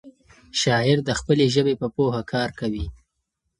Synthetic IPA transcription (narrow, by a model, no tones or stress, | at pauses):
ʃɑɪɾd̪əxpəleʒəbepəpohakʰɑɾkawi